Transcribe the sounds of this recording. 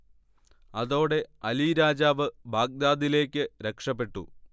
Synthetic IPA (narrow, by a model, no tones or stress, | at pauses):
ɐðo̞ːɽe̞ɐliːɾaːd͡ʑaːʋɨbʱaːɡ̚d̪aːðile̞ːkʲːɨɾekʂɐp̬ːe̞ʈːṵ